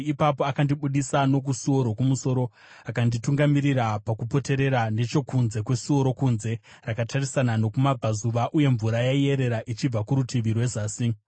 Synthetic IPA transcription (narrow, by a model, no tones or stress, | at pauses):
ipapo̞akandiɓuɗisano̞k̬usuo̞ɾo̞kumuso̞ɾo̞ | akandituŋɡamiɾiɾapakupo̞te̞ɾe̞ɾane̞t͡ʃo̞kunze̞kwe̞suo̞ɾo̞kunze̞ | rakatʰarisanano̞kumab͡vazuʋaʔuje̞ɱvuɾajaije̞ɾe̞ɾaʔit͡ʃib͡vakuɾutiʋirwe̞zaːsi